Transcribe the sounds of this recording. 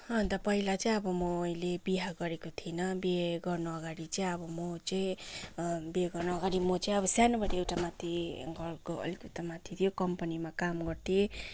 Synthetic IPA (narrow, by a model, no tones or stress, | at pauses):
hʌnt̪ʌpʌɦilat͡sʌĩj̃ʌbʌmʌːilebiɦaɡʌɾekot̪ʰinʌbeɡʌrnuʌɡaɽit͡sʌĩʌbʌmot͡sʌĩ | beɡʌrnoʌɡaɾimot͡sʌj̃ʌbʌsjanʌbʌʈeewʈamat̪ʰiɡʌlkoʌ̰likewt̪amat̪ʰit̪ʰijokʌmpʌnimakamɡʌrt̪ʰe